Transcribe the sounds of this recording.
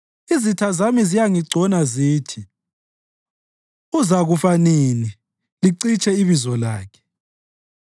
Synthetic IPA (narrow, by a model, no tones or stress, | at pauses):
izitʰazamizijaŋiɡ͡ǀʱɔnaziːtʰi | uzaɣufaneni | liǀit͡ʃʼɛiβizɔlaːkʰɛ̥